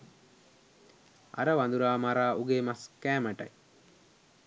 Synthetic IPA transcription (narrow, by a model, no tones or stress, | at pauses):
a̰ɾəʋand̪uɾaːmaɾaːʔuɡeːmaskæːməʈɐ̰j